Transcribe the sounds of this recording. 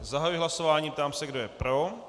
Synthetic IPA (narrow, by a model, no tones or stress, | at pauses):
zaɦajujɪɦlaso̞vaːɲiːp̚t̪aːmsɛɡdojɛpɾo